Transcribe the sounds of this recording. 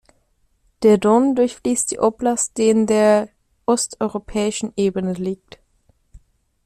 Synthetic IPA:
d̥eːɐdɔndʊɐçfliːst̚d̥ḭːʔɔplastd̥eːndeːɐ | ʔɔstɔʏʁopʰɛːɪʃn̩ʔeːbənəliːk̚t

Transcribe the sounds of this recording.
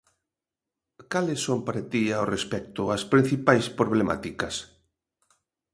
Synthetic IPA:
kalɪsːompaɾat̪iaorespɛk̚t̪ʊaspɾin̟θipajspɾoβ̞lema̰t̪ikɐs

